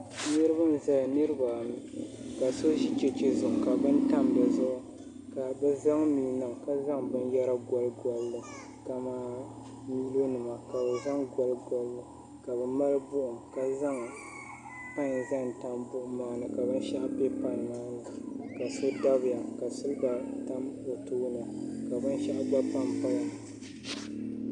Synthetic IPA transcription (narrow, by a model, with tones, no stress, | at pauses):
nɨ˦ɾɨ˦ba˦n˨za˨jnɨ˦ɾɨ˦ba˨ka˨so˦ʒi˦t͡ʃɛ˨t͡ʃe˨zʊ˨ŋ˨ka˨bɨ˦n˦ta˦mbɨ˨zʊ˦ʔʊ˦ | ka˨bɨ˦za˦ŋmiː˦nɨ˨mka˦za˦ŋbɨ˦njɛ˦ɾa˦ɡɔ˦lɡɔ˨lːɨ˦ | ka˨maː˦ | mi˦lo˦nɨ˨ma˨ka˨bɛ˨za˦ŋɡɔ˨lɡɔ˨lːɨ˦ | ka˨bɨ˨ma˦lɨ˦bʊ˦ʔʊ˨ŋka˦za˦ŋ | pa˦n˨za˦nta˦mbʊ˦˨ʔʊ˦maː˦nɨ˨ka˨bɨ˦n˦ʃa˦ʔbe˦pa˨nːaː˦nɨ˨ka˨sɨ˦da˦bɨ˨ja˨ka˨sɨ˦lba˨ta˦mo˨toː˦nɨ˨ka˨bɨ˦nʃa˦ʔba˦pa˦mpa˦la˨